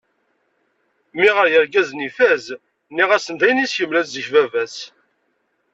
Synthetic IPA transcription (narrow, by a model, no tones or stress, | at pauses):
miʁəɾjəɾɡæznifæz | nːiʁæsənd̪æjənisjəmlæszəçvævæs